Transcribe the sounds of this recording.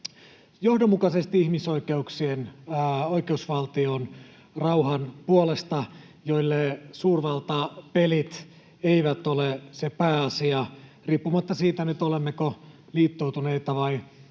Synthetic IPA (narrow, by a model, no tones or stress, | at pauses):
johdomːukɑsest̪iihmisoikeuksienoikeusʋɑlt̪ion | rɑuhɑnpuolest̪ɑ | joilːesuːrʋɑlt̪ɑːpelit̪ | eiʋæt̪olesepæːɑsiɑriːpːumɑt̪ːɑsiːt̪ænyt̪olemːeko | liːt̪ːowt̪uneit̪ɑʋɑi